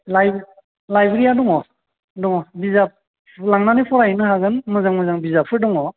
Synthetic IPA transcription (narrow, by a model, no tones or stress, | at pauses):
laj | lajbɾijaduŋɔ | duŋɔbizap̚ | laŋnanipʰɔɾainɯhaɡɯnmazaŋmazaŋbizapʰɯɾdɔŋɔ